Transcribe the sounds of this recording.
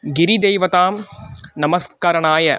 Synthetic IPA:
ɡɪɾid̪ejʋɐt̪aːmnɐmɐskaːɾɐɳaːjɐ

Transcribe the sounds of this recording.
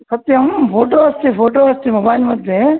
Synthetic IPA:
kʰɐt̪jɐmfoːʈ̬oɐst̪ifoːʈ̬oɐst̪imɐbaːilmɐd̪ʱje

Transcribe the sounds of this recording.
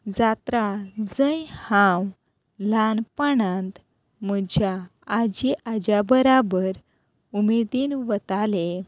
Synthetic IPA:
d͡zat̪ɾad͡zəjhãw | lanpaɳãnt̪ | məd͡ʑaːd͡ʑiʔad͡ʑjabəɾabəɾ | umed̪iːnʋət̪ale

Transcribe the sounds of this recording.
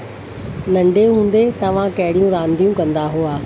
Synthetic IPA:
nɐ̃ɳɖʱeɦũːnd̪et̪ɐʋ̤ãkɐɦɪɽijũɾãːnd̪ʱijũkɐ̃nd̪aɦuaː

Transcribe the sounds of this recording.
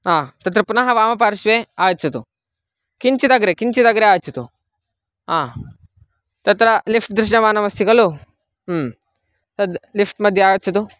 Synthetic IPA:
ɦaːt̪ɐt̪̬ɾɐpunɐɦɐʋaːmɐpaːɾʃʋeːaːjɐt͡ʃɐt̪u | kiɲt͡ʃid̪ɐɡɾekiɲt͡ʃid̪ɐɡɐɾeaːjt͡ʃɐt̪u | ɦaː | t̪ɐt̪ɾɐlifʰʈ̚d̪ɾuʃɳɐʋaːnɐʋɐst̪ʰikɐluː | t̪ɐd̪lifʰʈmɐd̪ʱjɐaːjɐt͡ʃɐt̪u

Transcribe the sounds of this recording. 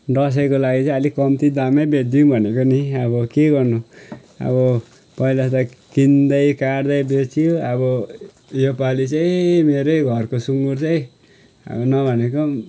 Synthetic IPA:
ɖʌs̬ekolaɡit͡saĩʌlikʌmt̪id̪amʌjbed̪jiũbʱʌnekoniʌbʌkeɡʌrnu | ʌ̰bʌ | pʌilat̪ʌkind̪ʌjkaɾd̪ʌjbet͡sʰijoʌbʌ | jopalit͡saĩmeɾʌjɡʱʌrkosuŋɡurt͡sʌj̃ | ʌ̰bʌnʌbʱʌneko

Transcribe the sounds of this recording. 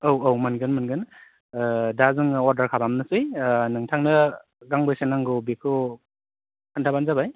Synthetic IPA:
owowmɯnɡɯnmɯnɡɯn | dazɯŋɔɾdaɾkʰabamnɯsɯjnɯŋtʰaŋnɯ | ɡaŋbɯjsenaŋɡɯbekʰɯ | kʰantʰabanzabaj

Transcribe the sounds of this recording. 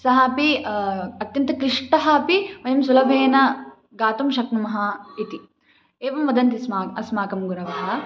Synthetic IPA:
sɐɦaːpi | ɐt̪jɐnt̪ɐkɾiʂʈɐɦɐːpiʋɐjɐmsulɐbʱɐeːnɐ | ɡaːt̪umʃɐknumɐɦɐit̪i | eːʋɐmʋɐd̪ɐnt̪ismaːɐsmaːkɐmɡuɾɐʋɐɦɐ

